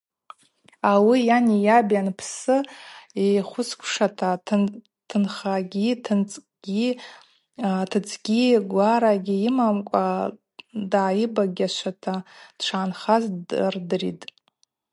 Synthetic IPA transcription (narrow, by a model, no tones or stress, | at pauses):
awijanijabjanpʰsɨiχʷʊskʷʰʂatʰa | tʰɨnχaɡʲitʰnt͡sʼ | ɡ̥ʲi | tʰɨt͡sʼʰɡʲiɡʷaɾaɡʲiimamkʷʼa | daːjibaɡʲaʃʷʰatʰad̥t͡ʃʷʰaːnχazrdɨrḭtʼ